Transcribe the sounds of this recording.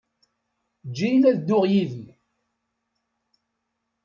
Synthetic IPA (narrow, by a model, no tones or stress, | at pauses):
d͡ʒːijlæðd̪ːʊʁjiði